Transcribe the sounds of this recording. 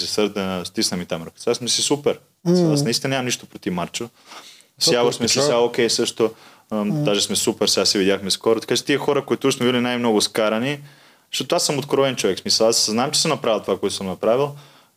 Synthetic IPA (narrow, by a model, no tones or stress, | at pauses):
sɛsəɾd̪əst̪isnɐmit̪amɾok̪sasmɛsisupɛɾ | miɐlˠasnɐist̪inɐnʲɲamɐmniʃt̪opɾot̪ifmaɾt͡ʃo | sjavosmɛsiaokʲɛjsɤʃt̪o | d̪aʒɛsmɛsupɛɾsɛɡasɛvid̪ʲjaxmɛskɔɾot̪ɐ̥kat͡ʃɛ̥t̪iɛxɔɾɐkoit̪ʊsmɛvilʲinajmnɔɡʊskaɾɐni | eʃt̪ot̪oasːəmot̪kɾɔɛnt͡ʃovɛksmisəlˠasznamt͡ʃɛ̥əmnɐpɾavilˠt̪ovakoɛt̪o̥səmnɐpɾavilˠ